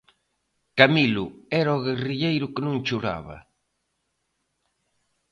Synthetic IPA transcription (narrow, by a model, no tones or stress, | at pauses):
kamilʊɛɾɔɣeriʎejɾʊkɪnõŋt͡ʃuɾa̰βɐ̰